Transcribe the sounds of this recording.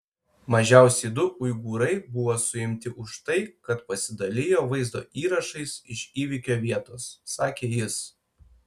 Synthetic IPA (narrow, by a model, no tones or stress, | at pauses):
mɐʒʲɛˑʊsʲɛɪd̪ʊʔʊɪɡuːɾɐɪbʊʋoːsʊɪmʲt̪ʲɪʔʊʃt̪ɐɪkɐt̪pɐsʲɪd̪ɐlʲɪjoːʋɐɪzd̪o̰ːʔiːɾɐʃɐɪsɪʃʲiːʋʲikʲoːʋʲiɛt̪oːsːɑːkʲeːjɪs